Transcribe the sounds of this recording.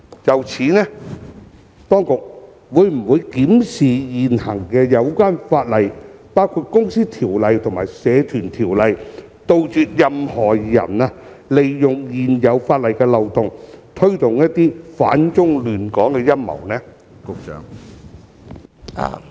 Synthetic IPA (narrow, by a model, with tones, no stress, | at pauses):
jɐ˨wt͡sʰiː˨˥nɛː˥ | t̪ɔː˥ŋkʊ˨k̚ | wuː˨˧jm̩˨˩wuː˨˧jkiː˨˥msiː˨jiː˨nhɐ˨˩ŋkɛː˧jɐ˨˧wkʷaː˥nfaː˧t̚lɐ˨jpaː˥wkʰu˧t̚kʊ˥ŋsiː˥t̪ʰiː˨˩wlɐ˨˧jt̪ʰʊ˨˩ŋmaː˨˩jsɛː˨˧t̪ʰyː˨˩nt̪ʰiː˨˩wlɐ˨˧j | t̪o˧wt͡ʃyː˧t̚jɐ˨mhɔː˨˩jɐ̰˨˩naː˧ | le˨jːʊ˨ŋjiː˨njɐ˨˧wfaː˧t̚lɐ˨jkɛː˧lɐ˨wt̪ʊ˨ŋt̪ʰɵ˥ɥt̪ʊ˨ŋjɐ˥t̚t̪ːiː˥fa̰ː˨˥nt͡sʊ˥ŋlyː˨˩nkɔː˨˥ŋkɛː˧jɐ˥mmɐ̰˨˩wnɛː˥˨˥ | ŋ | a̰˨